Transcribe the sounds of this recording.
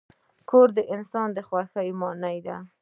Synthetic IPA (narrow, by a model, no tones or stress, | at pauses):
kʰoɾd̪əʔɪnsɑnd̪əxwaxəjmɑnajd̪a